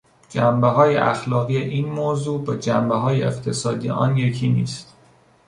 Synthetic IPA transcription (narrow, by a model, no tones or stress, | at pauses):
d͡ʒæmbeɦɒːjḛʔæ̰xlɒːɣijeʔiːnmoːzuːbed͡ʒæmbeɦɒːjeeqt̪ʰe̞sɒːd̪ḭːʔɒ̰ːnje̞cʰiːnḭːst̪